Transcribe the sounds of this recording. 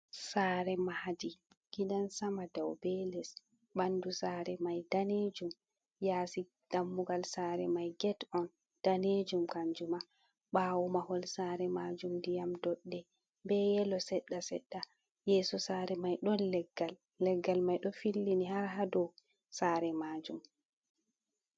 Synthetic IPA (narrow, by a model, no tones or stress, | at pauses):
saːɾɛmahd͡ʒi | ɡ̥idansamadawbɛlɛs | ɓandusaːɾɛmajdaned͡ʒum | jaːsi | d̥amːuɡalsaːɾɛmajɡɛtɔn | d̥aned͡ʒumkaɲd͡ʒuma | ɓaːwumahɔlsaːɾɛmad͡ʒumdijamdɔɗːɛ | bɛjɛlɔsɛɗːasɛ̰ɗːa | jɛːsɔsaːɾɛmajɗɔnlɛɡːalː | ɛɡːalmajɗɔfilːinihaɾɦadɔw | saːɾɛmaːd͡ʒum